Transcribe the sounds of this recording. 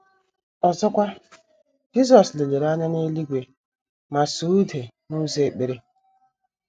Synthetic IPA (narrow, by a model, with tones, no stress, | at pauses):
ɔ˨zɔ˦kʷa˦ | d͡ʒi˦zɔ˨sle˨le˨ɾa˦na˦ne˦li˦ɡʷe˨ | ma˨su˨˦u˦de˨ | nu˦ze˨k͡pe˨ɾe˦